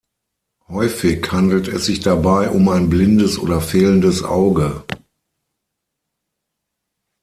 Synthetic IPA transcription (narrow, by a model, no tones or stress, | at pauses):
hɔʏfɪçhandl̩tɛsz̥ɪçd̥abaɪʔʊmaɪnblɪndəsʔo̰ːdɐfeːləndəsʔa̰ʊɡə